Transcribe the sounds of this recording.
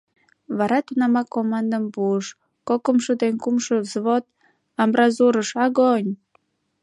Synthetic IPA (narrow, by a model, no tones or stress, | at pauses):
βɑɾɑt̪unɑmɑkomɑnd̪əmpuəʃ | kokəmʃud̪enkumʃəzβot̪̚ | ɑmɾɑzuɾəʃɑɣonʲ